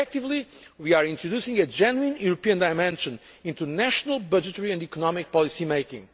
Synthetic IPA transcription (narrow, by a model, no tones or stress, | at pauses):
ɛk̚t̪ivliwiaɹĩnt̪ɹɨdusĩŋɡɨd͡ʒɛnwĩnjuɾopiɨ̃nd̪aɪmɛ̃nʃə̃n | ĩnt̪unæʃnəlˠbʌd͡ʒɨt̪əɹiɨ̃nd̪ikɔnɔmik̚pɔlˠisimeɪkḭ̃ŋ